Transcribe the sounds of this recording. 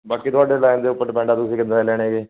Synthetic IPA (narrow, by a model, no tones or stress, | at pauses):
baːkiːt̪ʊaːɖeːlaːɪnd̪eːʊpːəɾʈpɛ̃ːɳɖaːt̪ʊsĩːkɪnd̪aelɛːɽ̃eːɡeː